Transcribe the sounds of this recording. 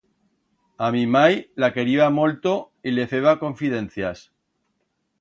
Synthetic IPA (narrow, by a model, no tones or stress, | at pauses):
amimajlake̞ɾiβamolt̪o | ile̞fe̞β̞ako̞ɱfiðe̞nθjas